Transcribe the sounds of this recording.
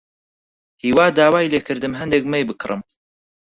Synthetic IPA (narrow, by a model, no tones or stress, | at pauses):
hiːwaːd̪aːwaːjleːkʰɨɾd̪ɨmɦɛnd̪ek̚mɛjbɨkʰrɨ̰m